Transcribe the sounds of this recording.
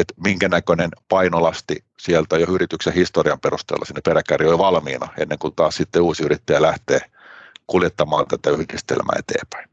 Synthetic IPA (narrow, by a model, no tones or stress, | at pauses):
et̪miŋkænækønenpɑinolɑst̪i | sielt̪æjoyrit̪yksehist̪oriɑmperust̪ḛːlːɑ̰sinːeperækærioliʋɑlmiːnɑ̰ḛnːeŋkut̪ɑːssit̪ːeuːsiyrit̪ːæjælæht̪eː | kuljet̪ːɑmɑːnt̪æt̪æyhdist̪ḛlmʔæ̰ːet̪ḛːpæ̥in